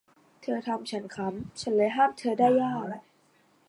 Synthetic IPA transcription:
t̪ʰɤː˧t̪ʰa˧mt͡ɕʰa˦˥nkʰa˦˥mt͡ɕʰa˦˥nlɤː˧jɦaː˥˩mt̪ʰɤː˧daː˥˩jːaː˥˩ka˨˩

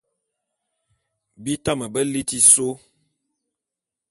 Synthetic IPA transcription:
bi˦ta˦mə˨bə˦li˦ti˦so˦

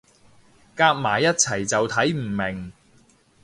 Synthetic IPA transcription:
kaː˧k̚maː˨˩jɐ˥t̚t͡sʰɐ˨˩jt͡sɐ˨wt̪ʰɐ˨˥jm̩˨˩mɪ˨˩ŋ

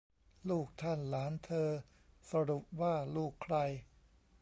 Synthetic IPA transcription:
luː˥˩k̚t̪ʰa˥˩nlaː˩˦nt̪ʰɤː˧ | sa˧ɾu˨˩p̚waː˥˩luː˥˩kʰɾa˧j

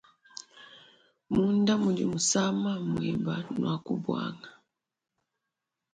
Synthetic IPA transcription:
mu˦nda˦mu˨di˨mu˨sa˦ma˦mwi˨ba˨nwa˨ku˦bwa̰˦ŋa˨

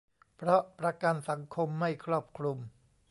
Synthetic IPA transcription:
pʰɾɔ˦˥ʔpɾa˧ka˧nsa˩˦ŋkʰo˧mːa˥˩jkʰɾuː˥˩p̚kʰɾu˧m

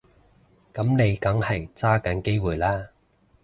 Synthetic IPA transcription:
kɐ˨˥mne˨˧jkɐ˨˥ŋhɐ˨jt͡saː˥kɐ˨˥nke˥jwuː˨˩jlaː˥

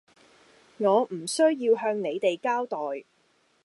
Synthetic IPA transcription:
ŋɔː˨˧m̩˨˩sɵ˥ɥjiː˧wɦœː˧ŋne˨˧jt̪e˨jkaː˥wt̪ɔː˨j

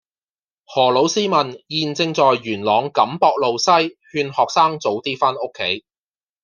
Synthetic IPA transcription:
hɔː˨˩lo˨˥wsiː˥mɐ˨˩njiː˨nt͡sɪ˧ŋt͡sɔː˨jːyː˨˩nlɔː˨˧ŋkɐ˨˥mpɔː˧k̚lo˨wsɐ˥jhyː˧nhɔː˨k̚saː˥ŋt͡so˨˥wt̪iː˥faː˥no˥kʰːe˨˥j

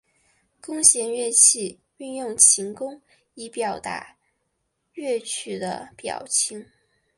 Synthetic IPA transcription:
kʊ˥ŋɕjɛ˧˥nɥɛ˥˧t͡ɕʰi˥˩ | y˥˧njʊ˥˩ŋt͡ɕʰi˧˥ŋkʊ˥ŋ | i˧˥pjɑ˨˩ʊt̪a̰˧˥ | ɥɛ˥˩t͡ɕʰy˨˩d̪ə̰˦pjɑ̰˨˩ʊt͡ɕʰi˧˥ŋ

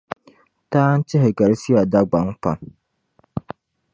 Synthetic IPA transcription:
taː˦n̩˦t͡ʃɪ˦ɦɪ˨ɡa˨ɾsi˦a˨da˦ɡ͡ba˨˦ŋ˦k͡pa̰˨n

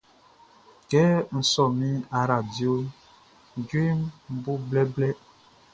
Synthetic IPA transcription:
kɛ˦n̩˨sɔ˨mi˦a˨ɾa˨bjo˦˨ | d͡ʒi˦mm̩˦bu˦blɛ˦blɛ˦

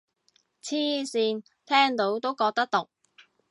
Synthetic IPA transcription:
t͡sʰiː˥siː˧n | t̪ʰɛː˥ŋt̪o˨˥wt̪o˥wkɔː˧k̚t̪ɐ˥k̚t̪ʊ˨k̚

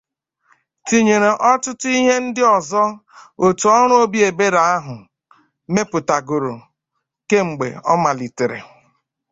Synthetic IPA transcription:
ti˨ɲe˨ɾe˨ʔɔ˦tʊ˦tʊ˦i˦ɦe˦n̩˦dɪ˦ɔ˨zɔ˦o˨tu˨ɔ˦ɾ̃ʊ˦o˦bi˦e˨be˦ɾa˨a˦ɦʊ˨ | me˦pʊ˨ta˨ɡo˨ɾo˨ | ke˦ŋ͡m̩˨ɡ͡bḛ˨ɔ̰˦ma˨li˨te˨ɾḛ˨

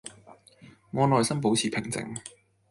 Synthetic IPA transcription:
ŋɔː˨˧nɔː˨jsɐ˥mp̬o˨˥wt͡sʰiː˨pʰɪ˨˩ŋt͡sɪ̰˨˥ŋ

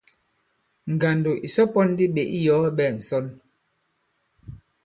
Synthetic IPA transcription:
ŋ̩˨ɡa˨ndo˨ʔi˨sɔ˦pɔ˦n˦di˦ɓe˨ʔi˦jɔ˦ɓɛ˦˨n̩˨sɔ˦n

